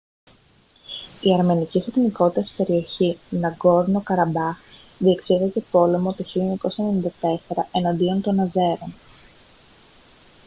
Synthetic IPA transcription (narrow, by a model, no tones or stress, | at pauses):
iɐɾme̞nicisɐt̪iniko̞t̪it̪ɐsi̥pe̞ɾio̞çinɐɡo̞ɾno̞kɐɾɐbɐx | ðie̞ksiðece̞po̞le̞mo̞t̪oçiloɲɐko̞sene̞nind̪ɐt̪e̞se̞ɾɐʔe̞nɐnd̪io̞nt̪o̞nɐze̞ɾon